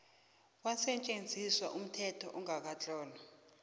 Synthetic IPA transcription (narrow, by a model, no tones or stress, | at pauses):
k̬wasɛt͡ʃʼend͡zʱiswaʔum̩tʰɛtʰɔ̰ʔuŋak̬at͡ɬʼɔːnɔ